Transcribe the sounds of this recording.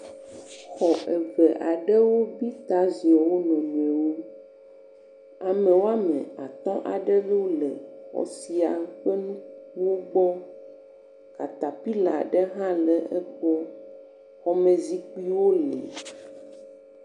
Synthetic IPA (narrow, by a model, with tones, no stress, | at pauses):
xɔ˨ʔɛ˨vɛ˨ʔa˨ɖɛ˦wo˦bi˦t̪a˦zi˨a˨wo˦nɔ̃˨m˨ɛ̃˨wo˦ | a˨mɛ̃˨wo˦a˦mɛ̰̃˨a˨t̪ɔ̃˦ʔa˨ɖɛ˦lo˦lɛ˨xɔ̰˨˦si˨a˨ɸɛ˦nũ˦k̚u˦wo˦ɡ͡bɔ˦ | ka˨t̪a˨pi˦la˨ɖɛ˦ɦã˦lɛ˨ɛ˦k͡pɔ˦ | xɔ˨mɛ̃˨zi˦k͡pi˦wo˦lɛ̰˨